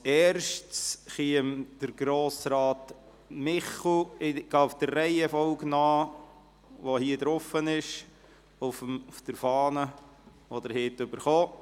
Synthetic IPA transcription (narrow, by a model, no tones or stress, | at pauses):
ɛːɾʃtt͡sχiəmd̥əɾɡ̥ɾoːsɾɑːt | mɪχuɪɡ̥ɑːʊfd̥̪ərrɛɪɛfɔʊɡnɑː | ʋohiədɾofənɪʃ | ʊfmʊfd̥əɾfɑːnə | od̪əɾhɪtʏbəɾχoː